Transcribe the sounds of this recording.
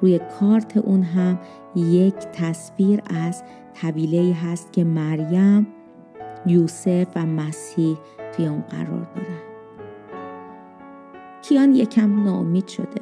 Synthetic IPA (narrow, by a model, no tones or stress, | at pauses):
ɾuːjekʰɒːɾt̪ʰeʔuːnɦæm | je̞cʰt̪ʰæsfiːɾæz̥ | t̪ʰæbiːle̞iːɦæst̪̚cʰe̞mæɾjæm | juːse̞fvæmæshiːh | t̪ʰujeunɢæ̰ɾɒ̰ːɾd̪ɒ̰ːɾænd̪̥ | cʰijɒːnjecʰæmnɒːomiːd̪̥ʃo̞̰d̪e̞̰